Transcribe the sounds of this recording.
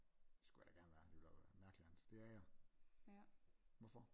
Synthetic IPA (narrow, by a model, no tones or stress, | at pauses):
d̥esɡ̥ujadæɡ̥æɐnʋæːɐd̥eʋelʋæɐʋæmæɐɡ̥liæn̩ˠd̥e̝æɐjɑɪ | ʋɒfɒ